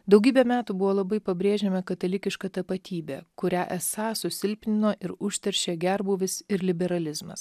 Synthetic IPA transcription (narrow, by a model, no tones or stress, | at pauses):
d̪ɒʊɡʲiːbʲɛːmʲæːt̪uːbʊʋoːlˠɐbɐɪpɐbʲɾʲeːʒʲeːmʲɐkɐt̪ɐlʲɪkʲɪʃkɑt̪ɐpɐt̪ʲiːbʲḛːkʊɾʲæːʔɛsɑːsʊsʲɪlʲpʲnʲɪnoːʔɪɾʊʃʲt̪ʲɛɾʲʃʲeːɡʲæɾbuːʋʲɪsɪɾlʲɪbʲɛɾɐlʲɪzmɐ̰s